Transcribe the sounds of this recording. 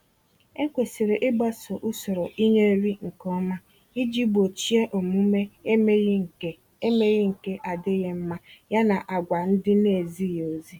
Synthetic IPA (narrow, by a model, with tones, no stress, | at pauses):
e˦kʷe˨si˨ɾe˨ʔɪ˦ɡ͡ba˦so˨ʔu˦sɔ˨ɾo˨ʔi˦ɲe˦ɾi˦ŋ̩˨kɔ˦ma˦ | i˦d͡ʒi˦bo˨t͡ʃi˦e˦ʔo˨mu˦me˦me˦˨ | e˦me˦ɣe˦ŋ̩˨ke˦ʔa˨dɪ˦ɣe˦m̩˦ma˦ja˦na˨ʔa˨ɡʷa˨n̩˦dɪ˦ne˨zi˦˨jo˨zi˦